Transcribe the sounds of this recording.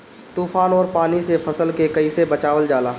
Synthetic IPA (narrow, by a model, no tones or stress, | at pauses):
t̪uːfʰaːnɔːɾpaːnisepʰɐsəlkekɐisebət͡ʃaːʋəld͡ʒaːlaː